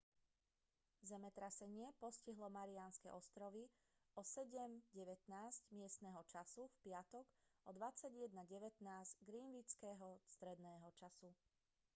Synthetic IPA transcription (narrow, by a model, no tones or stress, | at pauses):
zɛmɛt̪ɾasɛɲɪɛpɔsciɦlɔmaɾianskɛ̰ʔɔst̪ɾɔʋi | ɔsɛɟɛmɟɛʋɛt̪naːzɟmɪɛst̪nɛːɦɔt͡ʃasufpɪat̪ɔɡʔɔd̪ʋat͡saɟjɛd̪naɟɛʋɛt̪naːzɟɡɾiːmʋit͡skɛːɦɔst̪ɾɛd̪nɛːɦɔt͡ʃasu